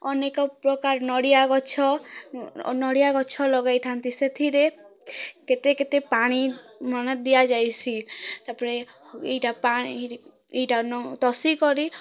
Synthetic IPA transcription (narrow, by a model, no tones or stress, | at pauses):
ɔnekɔpɾɔkaɾnɔɽijaɡɔt͡ʃʰɔ | nɔɽijaɡɔt͡ʃʰɔlɔɡajt̪ʰant̪iset̪ʰiɾe | ket̪eket̪epaɽ̃imɔnɔt̪̚d̪ijad͡ʒajsʰit̪apɔɾe | ejʈapai | ejʈanɔt̪ɔsikɔɾi